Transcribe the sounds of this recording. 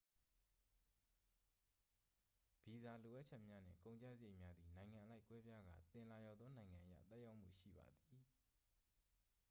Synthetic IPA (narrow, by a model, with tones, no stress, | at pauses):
b̥i˨za˨lo˨ʔa˦ʔ̚t͡ɕʰɛ˦ʔmja˦n̥ɪ̰̃˦˨kõ˨ʊ̃ɲt͡ɕa̰˦˨zə˨je˦ɪʔmja˦d̪ði˨nã˨ɪ̃ŋã˨ʔəla˦ɪkwɛ˦bja˦ɡa̰˦˨t̪ɪ̃˨la˨jɔ˨d̪ðɔ˦nã˨ɪ̃ŋã˨ʔə˨ja̰˦˨t̪ɛ˦ʔja˦ʊʔm̥ṵ˦˨ʃḭ˦˨ba̰˨d̪i˨